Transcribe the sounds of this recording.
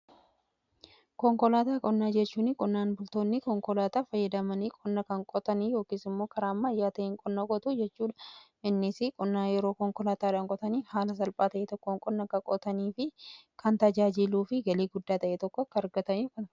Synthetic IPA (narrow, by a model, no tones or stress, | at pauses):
kɔŋkɔlaːt̪aːkʼɔnːaːd͡ʒɛt͡ʃːuːnɪkʼɔnːaːnbʊlt̪o̞ːnːɪkɔŋkɔlaːt̪aːfɐjːɐd̪ɐmɐniːkʼɔnːɐkɐŋkʼɔt̪ɐniːjo̞ːkiːsɪmːo̞ːkɐɾaːmːɐːjːaːt̪ɐʔeːŋkʼɔnːakʼɔt̪ud͡ʒɛt͡ʃːuːᶑɐ̥ʔɪnːɪsɪkʼɔnːaːjɛɾo̞ːkɔŋkɔlaːt̪aːᶑɐŋkʼɔt̪ɐniːhaːlɐs̬ɐlpʼaːt̪ɐʔeːt̪ɔkːoŋkʼɔnːɐkɐkʼɔt̪ɐniːfɪkʰɐnt̪ɐd͡ʒaːd͡ʒɪluːfɪɡɐleːɡʊd̪ːaːt̪ɐʔeːt̪ɔkːɔɐkːɐɾɡɐt̪ɐniːkɐn